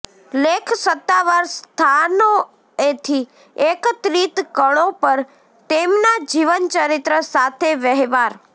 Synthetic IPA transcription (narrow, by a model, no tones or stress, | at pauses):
lekʰsət̪ːaʋaɾst̪ʰano | et̪ʰi | ekt̪ɾit̪kəɭopəɾ | t̪emnad͡ʒiʋənt͡ʃəɾit̪ɾəsat̪ʰeʋəɦʋaɾ